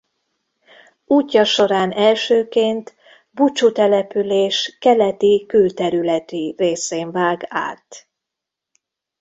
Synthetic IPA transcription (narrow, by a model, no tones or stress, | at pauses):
uːcːɒʃo̞ɾaːnɛlʃøːkeːnt̪ | but͡ʃut̪ɛlɛpyleːʃkɛlɛt̪ikylt̪ɛɾylɛt̪ireːseːɱvaːɡa̰ːt̪